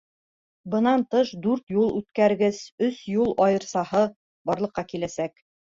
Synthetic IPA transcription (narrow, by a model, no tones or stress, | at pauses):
bɤ̆nɑnt̪ɤʃd̪ʉɾt̪julˠʉt̪kæɾɡɘzɵsjulˠɑjɤ̆ɾsɑhɤ | bɒɾlˠɤ̆qːɑkilæsæk